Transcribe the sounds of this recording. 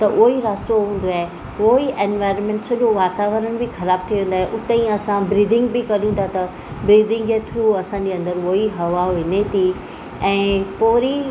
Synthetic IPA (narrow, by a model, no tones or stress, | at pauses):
t̪ɐʔʊiɾaːst̪oɦũːn̆d̪oaːɦe | ʋoiʔenʋaːɪɾənmẽɳʈsɐʄoʋaːt̪aːʋəɾəñɪ̆bixɐɾaːb̚t̪ʰiʋẽːn̆d̪aːɦeʔʊt̪ẽĩɐsãbɾiːɖɪ̃ŋɡbɪkɐɗũt̪ʰat̪ɐ | bɾiːɖɪ̃ŋɡet̪ʰɾuːɐsãɲd͡ʑeɐ̃nd̪əɾʋoiɦɐʋaʋɪnet̪ʰi | ɛ̃ːpoːɾi